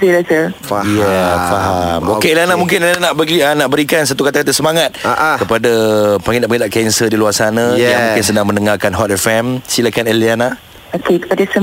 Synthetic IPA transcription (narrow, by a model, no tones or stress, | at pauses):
ilasəfjafaɦamokelanamũŋk̬ɪnananaʔbəɡianaʔbəɾikans̬at̪ukat̪akat̪asəmaŋat̪̚akəpadapaŋinaʔbəɡidaʔkɛnsədiluarsanãjjamũŋkɪnsədaŋmənəŋarkanɦɔt̪ɛfɛmsilakanɛliana | okekə̥padasə